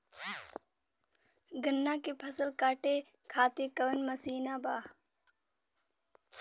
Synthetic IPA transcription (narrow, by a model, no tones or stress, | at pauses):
ɡənːaːkepʰɐsəlkaːʈeː | kʰaːt̪ekɐʋənmɐsiːnaːbaː